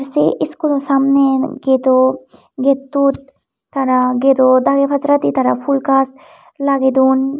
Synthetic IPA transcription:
ɾseʔɪskod̪õsaːmneɡeːt̪o | ɡet̪ːut̪ː | ɐɾaɡet̪od̪aːɡepʰɐzɾat̪it̪ɐɾapʰulkast̪ | laːɡed̪uːn

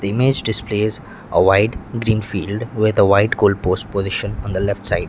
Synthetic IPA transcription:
d̪̥əɪmed͡ʒɖɪspleːz | ə̰ʋaɪʈɡɾĩːnfiːlɖʋɪd̪əʋaɪʈkoːlɖpoːsʈ̚pozɪʃə̃nɔ̃nd̪əlɛfʈsaɪɖ

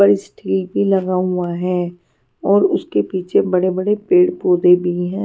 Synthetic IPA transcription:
əɽisʈʰiːlbʱilɐɡaɦʊaɦɛ̃ː | ɔːɾʊskepiːt͡ʃʰebɐɽebɐɽepeːɽpoːd̪ebʱiɦɛ̃ː

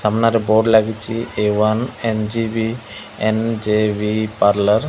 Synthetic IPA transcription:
sɐmnaɾiboːɖlaɡit͡ʃːieʋanend͡ʒibi | end͡ʒeːʋipaːɾlɐɾ

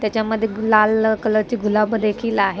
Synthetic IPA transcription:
t̪jat͡ɕjaməd̪ʱːjelalkələɽt͡ɕiːɡʱulabəd̪ekʰiːlaɦe

